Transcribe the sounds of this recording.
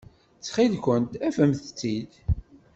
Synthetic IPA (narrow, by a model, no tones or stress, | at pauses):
t͡sːχid̪kʷənt̪æfəmθə̥t͡sːid̪